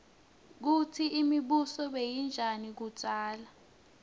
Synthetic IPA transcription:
k̬utʰiːmiɓusɔɓejind͡ʒʱanik̬u̥t͡ʃʼaːla

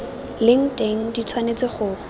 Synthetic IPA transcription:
lɪŋ̩tʼeŋ̩dit͡sʰwanet͡sɪχʊ

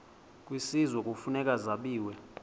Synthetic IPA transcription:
kʼwisizwɛkʼufunɛkʼazaɓiːwɛ

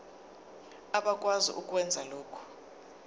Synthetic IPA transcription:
aɓak̬ʼwazḭʔukʼwɛnd͡zʱalɔːkʰɔ̥

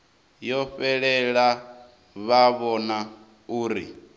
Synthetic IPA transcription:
jɔɸɛɺɛɺa | βaβɔna | uːɾḭ

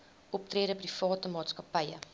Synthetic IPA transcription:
ʔɔp̚triːɾəprifɑːtəmɑːtskɐpəjə̰

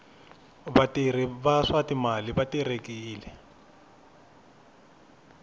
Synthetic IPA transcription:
batʼiriβaʂatimaliβatirekiːlɛ

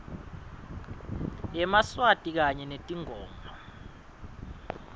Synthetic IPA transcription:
ɛmaswatʼik̬aɲɛnetʼiŋʱɔːmbʱɔ

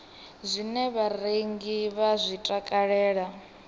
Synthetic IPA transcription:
zʷinɛβareŋɡiβazʷitʼakʼaɺɛːɺa

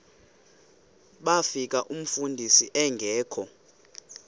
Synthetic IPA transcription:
ɓafik̬ʼaʔum̩fundʱisiʔɛŋɡʱɛːkʰɔ

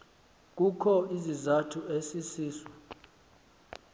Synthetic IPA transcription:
k̬ʼukʰɔizizatʰuesisiːsɔ

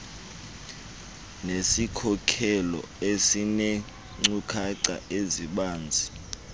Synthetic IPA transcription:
nesikʰɔkʰɛlɔ̰ | esine | ŋ͡ǀukʰaǀa̰eziɓaːnd͡zʱi

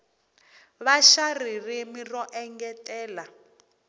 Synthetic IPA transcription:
βaʃaririmirɔʔɛŋɡɛtʼɛːla

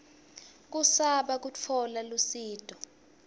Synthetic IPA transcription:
k̬usaɓak̬ut͡fʰɔlalusiːtʼɔ

